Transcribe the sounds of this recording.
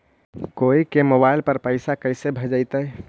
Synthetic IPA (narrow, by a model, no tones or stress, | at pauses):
koikemobaɪlpəɾpəɪsakəjsebʱəd͡ʒəɪt̪ə